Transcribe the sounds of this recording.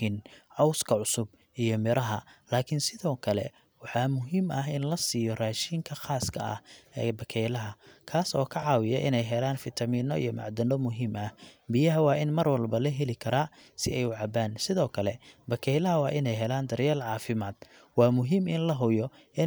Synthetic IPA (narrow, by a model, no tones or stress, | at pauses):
ɪnʕɑwskʰɐʕʊsʊb | ʔijɔmɪɾʔɐɦɐlaːkʰɪnsɪðɔːkʰɐlɛ̰ | wɑħɑːmʊɦiːmɐɦɪnlɐsiːjɔraːʃiːŋkʰɐχaːskʰɐɐ̰hɛ̰ːbɐkʰɛjlɐɦɐkʰaːsɔ̰ːkʰɐʕɑːwɪjɐʔɪnɛjɦɛlaːnfɪt̪ʰɐmiːnɔḭjɔmɑ̰ʕd̪ɐnɔmʊɦiːmɐhbɪjɐɦɐwɑːɪnmɐrwɐlbɐlɐɦɛlɪkʰɐɾaː | sɪ̰ɛjwʊʕɑbaːnsɪðɔːkʰɐlɛbɐkʰɛjlɐɦɐwɑːʔɪnɛjɦɛlaːnd̪ɐɾjɛːlʕɑːfɪmaːd̪̥̚ | wɑːmʊɦiːmɪnlɐɦʊjɔ | ɪ